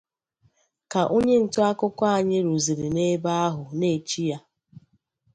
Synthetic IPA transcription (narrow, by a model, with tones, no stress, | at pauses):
ka˨ʔo˦ɲe˦n̩˨tʊ˦a˦kʊ˦kʷa˦a˨ɲɪ˦ɾu˨zi˨ɾi˨ne˦ba˦a˦ɦʊ˨ne˨t͡ʃi˦ja˦